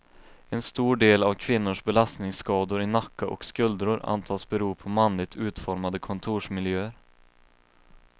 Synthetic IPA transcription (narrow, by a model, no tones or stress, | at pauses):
ɛnst̪uːɖeːlavkʰvɪnːʊʂbɛlast̪nɪŋskɑːd̪ʊɾɪnakːaʔɔ̰kskɵld̪ɾʊɾa̰nt̪ʰɑːsbɛɾuːpʰɔmanlɪɡ̚t̪ʰʉ̟ːt̪fɔɾmad̪əkʰɔnt̪ʰuːʂmɪljøːəɾ